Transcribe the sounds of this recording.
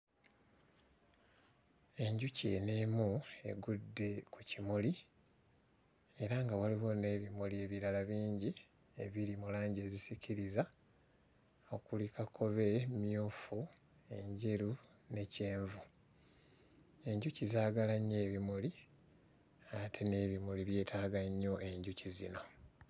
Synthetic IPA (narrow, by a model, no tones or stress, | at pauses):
e̞ɲɟucḛne̞mue̞̰ɡudːe̞kucimuli | e̞ɾaŋɡawaliɣo̞ne̞ːβimulie̞βiɾalaβiːɲɟi | ḛβiɾimulaːɲɟe̞zisicʰiɾiza | o̞kulikakʰo̞βe̞mjuːfu | e̞ɲɟeɾu | ne̞ce̞ːɱvu | e̞ɲɟucizaːɡalaɲːe̞ːβimuli | atʰe̞ne̞βimuliβje̞ːtʰaːɡaɲːo̞ʔe̞ɲɟucizino̞